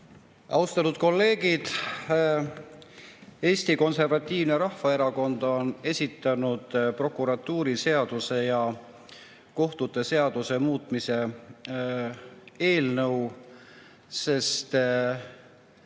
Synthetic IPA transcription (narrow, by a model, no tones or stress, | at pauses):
ʔɑwst̪ɑnud̪̥ko̞lːe̞ːɡ̥id̪̥ | e̞ːsʲt̪iko̞nse̞rvɑt̪ʲːiːvne̞ɾɑhfɑe̞ɾɑko̞nd̪o̞ne̞sʲit̪ːˑɑnud̪̥pro̞kːˑuɾɑt̪ːˑuːɾise̞ɑd̪̥use̞jɑ | ko̞ht̪ut̪ːˑe̞se̞ɑd̪̥use̞muːt̪ˑmise̞ | e̞ːlnɤw | se̞st̪